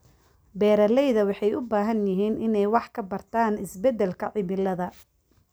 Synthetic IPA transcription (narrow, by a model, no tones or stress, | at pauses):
bɛːɾɐlɛjðɐwɑħɑjʔʊbaːɦɐnjɪɦiːnʔɪnɛjwɑħkʰɐbɐrt̪ʰaːnɪsbɛd̪ɛlkʰɐʕɪmɪlɐðɐ